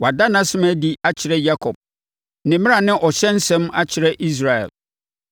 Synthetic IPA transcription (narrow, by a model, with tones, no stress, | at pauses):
wa˨da˦nã˦sɪ̃˦mæ˦di˦a˦t͡ɕʰɪ˨ɾɛ˦ja˦kʰɔ˨b̚ | nɪ̃˨mɪ̃˦a˨nɪ̃˦ʔɔ˨ɕɛ̃˦n̩˦sɛ̃˦ma˦t͡ɕʰɪ˨ɾɛ˦ʔi˦s̬ɾa˨ɛ̰˨l